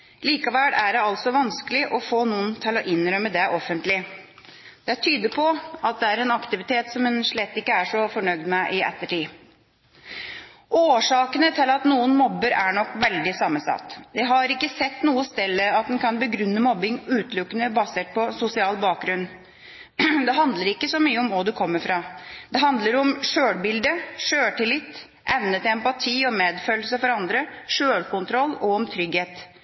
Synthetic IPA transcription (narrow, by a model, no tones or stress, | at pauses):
liːkɑʋæːɽæɖɛɑlt̪sɔʋɑnskəlɪʔɔfoːnuːənt̪ʰɪlɔʔɪnɾœməd̪ɛʔɔfːənt̪lɪ | d̪̥ɛæt̪ʰyːd̪əpʰɔɑt̪̚d̪ɛæɾɛnɑkt̪ɪʋɪt̪ʰeːt̪sɔmɛnʂɭɛt̪ːɪkːəæʂɔfɔɳœɡd̪mɛʔɪɛ̰t̪ːəʈiː | ʔoːʂɑːkənət̪ʰɪlɑt̪nuːənmɔbːəɾæɳɔkːʋɛld̪ɪsɑmːəsɑ̰t̪ːd̪ɛɦɑɾɪkːəsɛt̪ːnuːəst̪ɛlːəɑt̪̚d̪ɛnkʰɑnbəɡɾʉnːəmɔbːɪŋʉːt̪lʊkːənəbɑseːʈ̚pʰɔsʊsɪɑːlbɑːk̚ɡɾʉnː | d̪ɛɦɑnd̪ləɾɪkːəsɔmyːəʊmʋɑd̪ʉkʰɔmːəɾfɾɑd̪ɛɦɑnd̪ləɾɔmʂøːɽbɪld̪əʂøːʈɪlɪt̪ː | ʔɛʋnət̪ɪɛmpɑt̪ʰiːɔmeːd̪føːlsəfɔɾɑnd̪ɾəʂøːlkʊnt̪ʰɾɔlːɔɔmt̪ʰɾʏɡheːt̪